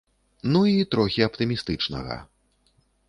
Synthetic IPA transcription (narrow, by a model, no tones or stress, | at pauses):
nuit̪ɾɔxʲiɐpt̪ɨmʲist̪ɨt͡ʂnɐ̰ɣɐ̰